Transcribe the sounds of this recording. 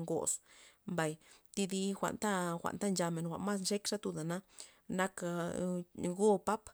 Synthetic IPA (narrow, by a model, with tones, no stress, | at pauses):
ŋɡo̰˨smba˨jt̪i˧d̪i˧xʷa̰˨nt̪a˦xʷa̰˨nt̪a˦nd͡ʒa˧me˨nxʷa̰˨ʔma˦snʃe˦kʂa˦t̪u˧d̪a˨na˦ | na˦k | ɡo˦pa˦p